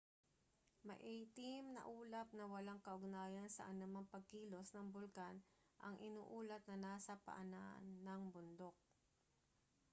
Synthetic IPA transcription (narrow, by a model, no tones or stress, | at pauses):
mɐ̰ʔɛjt̪ɪmnɐ̰ʔuːlɐp̪̚nɐwɐlaŋkɐʔʊɡnaːjɐnsɐ̰ʔɐnɐmɐŋpɐɡ̚kiːlo̞snɐŋbʊlkan | ʔɐŋʔɪnṵːʔuːlɐt̪̚nɐnaːsɐpɐ̰ʔɐnaʔnːɐŋbʊnd̪o̞k̚